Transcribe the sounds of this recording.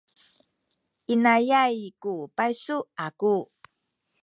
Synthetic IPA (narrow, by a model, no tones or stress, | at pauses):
ʔinajajkupajsuaku